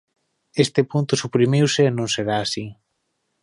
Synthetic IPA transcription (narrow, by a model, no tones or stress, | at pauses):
est̪epunt̪ʊsupɾimiwseːnõŋseɾaːsi